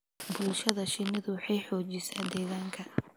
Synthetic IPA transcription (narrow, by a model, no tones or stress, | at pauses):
bʊlʃɐðɐʃɪnɪðʊwħɑjħɔːt͡ʃɪsa̰ːd̪ɛːɣaːŋkʰɐ